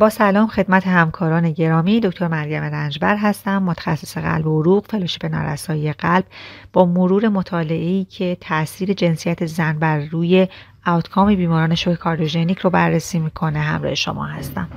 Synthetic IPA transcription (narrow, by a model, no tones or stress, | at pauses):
b̥ɒːsælɒːmxe̞d̪mæt̪ʰe̞hæmkʰɒːɾɒːne̞ɟe̞ɾɒːmiːd̪ocʰt̪ʰoɾmæɾjæme̞ɾænd͡ʒbæɾɦæst̪æmːot̪ʰæ̥xæsːe̥se̞ɣæ̰lbooɾuːɣfe̞loʃi̥pʰenɒ̰ːɾæ̰sɒːjijeɣælb̥bɒːmoɾuːɾe̞mo̞t̪ʰɒːle̞ʔeiːcʰe̞t̪ʰæʔsiːɾe̞d͡ʒe̞nsijæt̪ʰe̞zænbæɾːuːje̞ | ɒt̪ʰkʰɒːmibiːmɒːɾɒːne̞ʃokekʰɒːɾd̪oʒenicʰrobærːesiːmiːkʰo̞ne̞ɦæ̰mɾɒ̰ːhe̞ʃo̞̰mɒ̰ːhæst̪æm